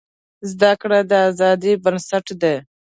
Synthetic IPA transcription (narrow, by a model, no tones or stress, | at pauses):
zd̪akɽed̪əazɑːd̪ibənsaʈd̪e